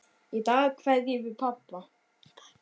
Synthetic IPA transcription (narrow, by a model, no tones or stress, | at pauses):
it̪aːɣkʰvɛðjɛvɪɾpʰapla